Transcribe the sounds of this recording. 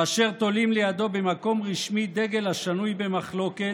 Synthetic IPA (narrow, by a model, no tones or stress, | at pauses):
aʃe̞ʁt̪o̞limlejad̪o̞bemako̞mʁiʃmid̪e̞ɡe̞lhaʃanujbe̞maχlo̞ke̞